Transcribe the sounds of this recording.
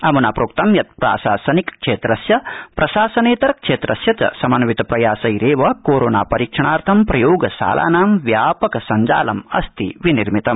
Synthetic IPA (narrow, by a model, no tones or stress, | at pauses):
ɐmunaːpɾuk̚t̪ɐmjɐt̪̚pɾa̰ːʃaːsɐnikkʂeːt̪ɾɐsjɐpɾɐʃaːsɐneːt̪ɐɾkʂeːt̪ɾɐsjɐt͡ʃɐ̰sɐmɐnʋit̪ɐpɾɐjaːsɐjɾeːʋɐkoːɾoːnaːpɐɾiːkʂɐɳaːɾt̪ʰɐmpɾɐjoːɡɐsa̰ːlʔa̰ːnaːmʋjaːpɐkɐsɐɲd͡ʒa̰ːlɐmɐ̰st̪ḭʋiniɾmit̪ɐm